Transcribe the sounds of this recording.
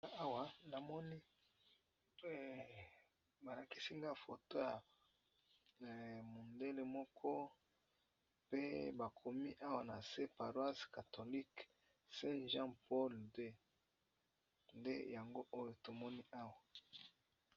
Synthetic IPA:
a˦wa˨na˨mɔ˦ni˦˨ | ba˨la˨ki˦si˦ŋɡa˦fo˨to˦ja˨ | mo˨nde˦le˦mɔ˦kʰɔ˦ | pe˦ba˨kʰo˨mi˦ʔa˦wa˨na˨se˦pa˨ʁwa˦ska˨to˨li˦k | sɛ̃˦ʒã˦pɔ˦lde˦ | ndḛ˦ja˨ŋɡo˦ʔo˦jo˨to˨mɔ˦ni˦ʔa˦wa˨

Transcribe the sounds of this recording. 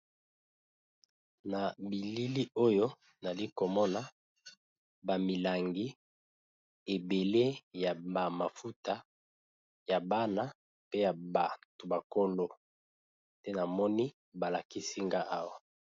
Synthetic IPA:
na˨bi˨li˦li˦o˦jo˦ | na˨li˦ko˨mɔ˦na˦ | ba˨mi˨la˨ŋɡi˦ | e˨be˨le˦ja˨ba˨ma˨fu˦ta˦ | ja˨ba˦na˦ | pe˦ja˨ba˨to˨ba˨ko˦lo˦ | te˦na˨mɔ˦ni˦ | ba˨la˨ki˦si˦ŋɡa˦ʔa˦wa˨

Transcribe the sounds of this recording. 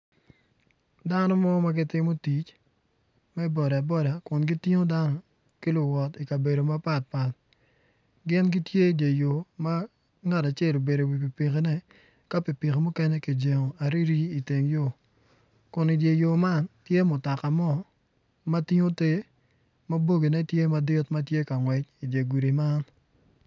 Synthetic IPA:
da˦nɔ˦mɔ˦ma˦ɡɪ˦tɪ˦mo˦ti˨t͡ʃ | mɛ˦bɔ˨da˨bɔ˦da˨kʊ˨nɡi˦ti˦ŋo˦da˦nɔ˦ | ki˦lʊ˨wɔ˨ti˨ka˨be˨do˨ma˦pa˦˨t̚pa˨t̚ | ɡɪ˦nɡi˦tje˦˨dje˨jo˨ma˦ | ŋa˦ta˨t͡ʃe˦˨lo˨be˨do˨wi˨p̬i˨pi˨ke˦nɛ˦ | ka˦pi˨pi˨ke˨mʊ˦kɛ˦nɛ˦ki˨d͡ʒe˨ŋo˨a˨ɾi˦ɾiː˦˨te˨ŋjo˦˨ | kʊ˨ni˨dje˨jo˨ma˦ntje˦mʊ˨ta˨ka˨mɔ˦ | ma˦ti˦ŋo˦te˦ | ma˦bo˦ɡi˨nɛ˦tje˦ma˦dɪ˦tma˦tje˦ka˨ŋwɛ˨t͡ʃi˨dje˨ɡu˨ɾi˨ma˦n

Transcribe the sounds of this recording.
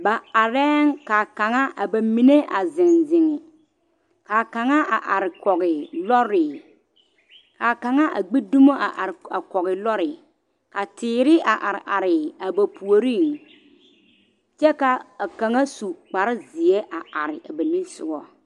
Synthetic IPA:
ba˨a˨ɾɛ˦ŋ˦ka˨ka˨ŋa˦ʔa˨ba˨mi˨ne˦ʔa˨zɪ˨nzɪ˨ŋɪ˨ | ka˨ka˨ŋa˦ʔa˨ʔa˨ɾɪ˨kɔ˨ɣɪ˨lɔ˦ɾɪ˨ | ka˨ka˨ŋa˦ʔa̰˨ɡ͡be˦du˦mo˦a̰˨ʔa˨ɾa˨kɔ˨ɣɪ˨lɔ˦ɾɪ˨ | ka˨tɪː˦˨ɾɪ˦ʔa˨ʔa˨ɾɪ̰˨ʔa˨ɾɪ˨a˨ba˨pu˨o˨ɾi˦˨ŋ | t͡ʃɛ˦ka˨a˨ka˨ŋa˦su˨k͡pa˨ɾɪ˦zɪ˨e˦ʔa˨a˨ɾɪ̰˨ʔa˨ba˨mi˦n˦sʊ̰˦ɡɔ˦

